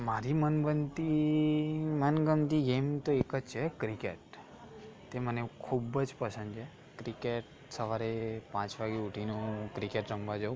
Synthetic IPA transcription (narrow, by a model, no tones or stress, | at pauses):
maɾimənbənt̪i | mənɡənt̪iɡemt̪oekəd͡ʒt͡ʃʰekɾikḛʈ | t̪emənekʰubd͡ʒpəsə̃nd̪t͡ʃʰe | kɾikeʈ | səʋaɾepãt͡ʃʋaɡeuʈʰinukɾikeʈɾə̃mʋad͡ʒə̃